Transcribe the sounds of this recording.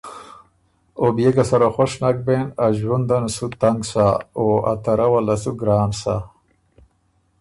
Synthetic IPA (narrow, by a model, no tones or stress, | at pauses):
objeɡasaɾoxoʂnak̚benaʒwund̪ansut̪aŋɡsaoa̰t̪aɾawalasuɡɾaːnsa